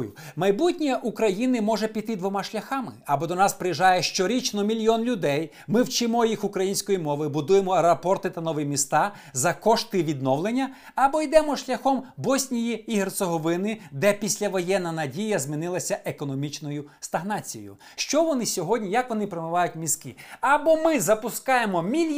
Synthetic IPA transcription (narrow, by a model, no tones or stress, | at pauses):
jʊ | mɐjbutʲnʲiʔukɾɐjinɪmɔʒɛpʲit̪ɪd̪ʋɔmɑʃlʲɐxɑmɪɐbɔd̪ɔnɑspɾɪjiʒɑjɛʃt͡ʃɔɾʲit͡ʃnɔmʲilʲjɔnlʲʊd̪ɛj | mɪwt͡ʃɪmɔjixʊkɾɐjinʲsʲkɔjimɔʋɨbʊd̪ujemɔɐɾɐpɔrt̪ɪt̪ɐnɔʋɪmʲist̪ɑ | zɐkɔʃt̪ɪʋʲid̪nɔʋlˠenʲːɐ | ɐbɔjd̪ɛmɔʃlʲɐxɔmbɔsʲnʲijiːɦert̪sɔɦɔʋɪnɪd̪ɛpʲisʲlʲɐʋɔjɛnːɐnɐdʲijɐzmʲin̪ɪlˠɐsʲɐʔekɔnɔmʲit͡ʃnɔjʊst̪ɐɦnɑt͡sʲijɔ̰jʊ̰ | ʃt͡ʃɔʋɔnɪsʲɔɦɔdʲnʲijɐkʋɔnɪpɾemʊʋɑjʊt̚ʲmʲiskɪɐbɔmɪzɐpʊskɑjemɔmʲilʲ